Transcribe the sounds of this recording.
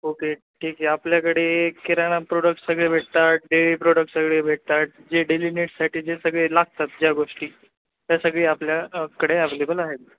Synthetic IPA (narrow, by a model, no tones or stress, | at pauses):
oke | ʈʰiːkɦɛapljakəɽekeɾaɽ̃apɾoɽək̚ʈsəɡɭebʱeʈ̚t̪at̪̚ɖeʋipɾoɽək̚ʈsəɡɭebʱeʈ̚t̪at̪̚d͡ʑeɖelineʈsaʈʰiːd͡ʑesəɡɭelaɡ̚t̪at̪̚d͡ʑjaɡoʂʈiː | t̪jasəɡɭeːapljakəɽeaʋelebəlaɦet̪